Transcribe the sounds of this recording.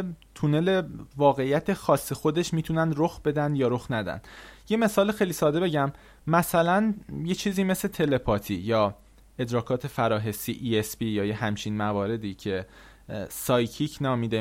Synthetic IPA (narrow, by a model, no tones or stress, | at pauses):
t̪ʰune̞le̞vɒːɣe̞ijæt̪ʰe̞xɒːsːexo̞d̪e̞ʃmiːt̪ʰunænd̪ɾoxbe̞d̪ænd̪jɒːɾoxnæd̪æ̰nd̪̥je̞me̞sɒːlexejliːsɒːd̪ebe̞ɟæmː | æsælænjet͡ʃʰiːziːme̞sle̞t̪ʰe̞le̞pʰɒːt̪ʰijɒː | e̞d̪ɾɒːkʰɒːt̪ʰe̞fæɾɒːɦe̞siːʔiespijɒːjehæmt͡ʃʰinmævɒːɾe̞d̪iːcʰe̞ | sɒːjcʰicʰnɒːmiːd̪e